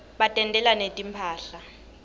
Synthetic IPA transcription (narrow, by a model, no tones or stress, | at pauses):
ɓatʼɛntʼɛlanetʼimpʰaːɬa